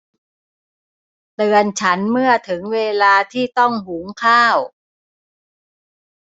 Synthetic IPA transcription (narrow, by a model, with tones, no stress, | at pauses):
t̪ɯ˧ənt͡ɕʰa˦˥nmɯ˥˩ɐt̪ʰɯ˩˦ŋweː˧laː˧t̪ʰiː˥˩t̪ɔ˥˩ŋɦuː˩˦ŋkʰaː˥˩w